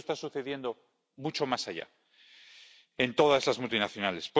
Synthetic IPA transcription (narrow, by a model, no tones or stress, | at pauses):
st̪asuθe̞ðje̞nd̪o̞ | mut͡ʃo̞masaʝa̰ | e̞nt̪o̞ðaszlazmult̪inaθjo̞nale̞sp